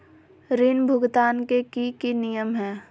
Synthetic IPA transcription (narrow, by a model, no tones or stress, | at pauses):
ɾɪnbʱʊɡt̪aːnkekikinijəmɦɛː